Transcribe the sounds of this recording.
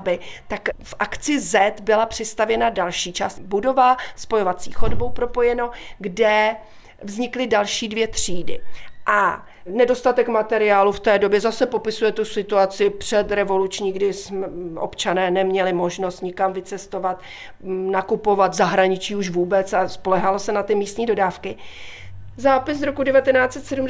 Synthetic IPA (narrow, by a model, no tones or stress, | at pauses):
bɪt̪akfʔakt͡sɪzɛt̪bɪlapr̝̥ɪst̪avjɛnadalʃiːt͡ʃa̰ːst̪budo̞vaspo̞jovat͡sḭːxo̞dbowpɾo̞po̞jɛno̞ɡdɛ | vzɲɪklɪdalʃiːdvjɛt̪r̥iːdɪ̰ʔa | nɛdo̞st̪at̪ɛkmat̪ɛɾɪaːluft̪ɛːdo̞bjɛzasɛpo̞pɪsujɛt̪usɪt̪uat͡sɪpr̝̥ɛt̪ɾɛvo̞lut͡ʃɲiːɡdɪsmɛʔo̞̰pt͡ʃanɛːnɛmɲɛlɪmo̞ʒno̞st̪ɲɪkamvɪt͡sɛst̪o̞vat̪ | nakupo̞vat̪zaɦɾaɲɪt͡ʃiːuʃvuːbɛt͡saspo̞lɛɦalosɛnat̪ɪmiːst̪ɲiːdo̞daːfkɪ | zaːpɪs̬ɾo̞kudɛvat̪ɛnaːt͡sɛt̪sɛdum